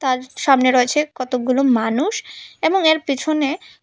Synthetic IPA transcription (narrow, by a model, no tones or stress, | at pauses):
t̪aɾʃamneɾoet͡ɕʰekɔt̪oɡulomanuʃeboŋeɾpit͡ɕʰone